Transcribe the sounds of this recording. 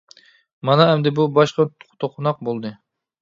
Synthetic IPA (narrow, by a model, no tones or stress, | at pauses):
mɑnɑæmd̪ɪbubɑʃqɑ̥t̪ʰoqʰʊnɑq̚bolˠd̪ɨ